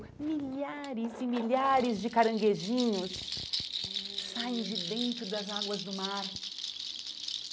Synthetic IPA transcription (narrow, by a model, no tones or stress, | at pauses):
miʎaɾɪzimiʎaɾɪzd͡ʒɪkaɾɐ̃ŋɡeʒĩɲʊs | saẽj̃d͡ʒɪd̪ẽnt̪ɾʊd̪ɐzaɡwɐzd̪ʊmaɾ